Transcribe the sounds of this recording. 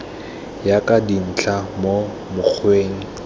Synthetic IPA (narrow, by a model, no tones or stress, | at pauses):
jakʼadin̩t͡ɬʰamo | mʊk͡xʰweːŋ̩